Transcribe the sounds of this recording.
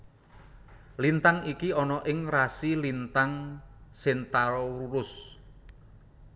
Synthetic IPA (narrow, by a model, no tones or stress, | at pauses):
lint̪aŋikiɔnɔʔɪŋrasilint̪aŋsɪnt̪aɾɔwuɾʊs